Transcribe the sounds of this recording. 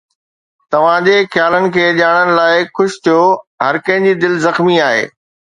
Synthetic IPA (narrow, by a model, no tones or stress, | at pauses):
t̪ɐʋ̤ãd͡ʑexjaːlənɪ̆kʰeːʄaːɽ̃ənɪ̆laːɪxʊʃt̪ʰijoɦɐɾkɐ̃ɦɪ̃ɲd͡ʑid̪ɪlzɐxmiaːɦḛː